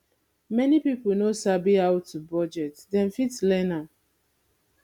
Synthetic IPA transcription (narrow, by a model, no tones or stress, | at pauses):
mɛnipipolnosabiawtːubɔd͡ʒɛtdɛ̃nfitlɛna